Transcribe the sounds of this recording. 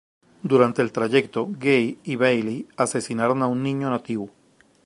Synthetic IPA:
d̪uɾant̪e̞ːlt̪ɾaʝek̚t̪oɡejiβejliase̞sinaɾonaunːĩɲonat̪iβo

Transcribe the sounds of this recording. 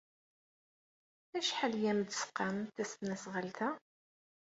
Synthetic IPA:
æʃħəljæmd̪sqːɑmθæst̪næsʁəlθæ

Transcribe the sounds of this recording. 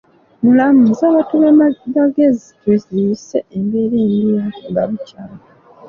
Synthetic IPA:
mulamuzaβatuβemaɡezitweziseembeɾeːndimuɡa̰βucaːnɡa

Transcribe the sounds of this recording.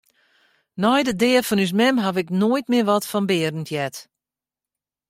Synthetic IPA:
nɔjdədɪəfɔnys̬mɛmɦavɪknoːjtmɪəʋɔtfɔnbɪəɾən̩tʰjɛt

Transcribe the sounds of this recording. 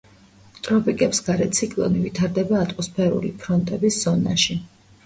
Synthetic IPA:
t̪ʼɾɔpʰikʼɛpsɡaɾɛt̪sʰikʼlˠɔ̰nivit̪ʰaɾd̪ɛbaːt̪ʼmɔspʰɛɾṵlḭpʰɾɔnt̪ʼɛbisz̥ɔna̰ʃi

